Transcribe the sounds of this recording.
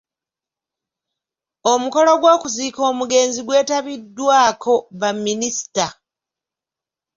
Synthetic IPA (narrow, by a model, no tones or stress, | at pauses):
omuko̞lo̞ɡwo̞ːkuziːko̞ːmuɡe̞ːnziɡwe̞ːtaβidːwaːkʰo̞βamːinisi̥ta